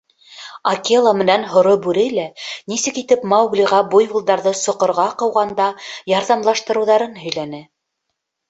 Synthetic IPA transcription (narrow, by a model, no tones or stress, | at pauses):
ɐkʲelˠɑmɘ̆nænɦŏɾobʉɾɘlænisɘkit̪ɘpmɑwɡlʲiʁɑbujbulˠd̪ɑɾðɤsŏqŏɾʁɑqɤ̆wʁɑnd̪ɑjɑɾðɑmlˠɑʃt̪ɤ̆ɾɤ̆wðɑɾɤnɦɵ̆jlænɘ